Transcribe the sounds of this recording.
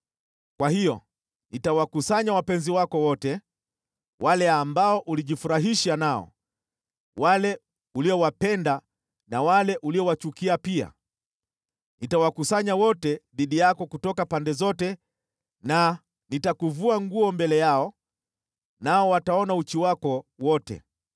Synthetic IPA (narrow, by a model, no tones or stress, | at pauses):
kwahijɔ | nitawakusaɲawapɛnziwakɔwɔtɛ | walɛambaɔʔuliʄifuɾaɦiʃanaɔ̰ | walɛ | uliɔwapɛnda | nawalɛʔuliɔwat͡ʃukiapia̰ | nitawakusaɲawɔtɛðiɗijakɔkutɔkapandɛzɔtɛ | na | nitakuvuaŋɡuɔmbɛlɛjaɔ | naɔwataɔnaut͡ʃiwakɔwɔtɛ̰